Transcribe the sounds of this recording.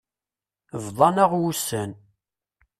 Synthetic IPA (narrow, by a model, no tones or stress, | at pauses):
vðˤɑnəʁwusən